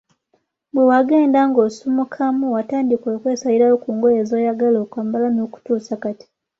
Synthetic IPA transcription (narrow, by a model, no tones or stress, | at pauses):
bwewaɡe̞ːndaŋɡoːsumukʰamuwataːndikwoːkwe̞ːsaliɾajokuːŋɡojeːzoːjaɡaloːkwaːmbalanoːku̥tuːsakati̥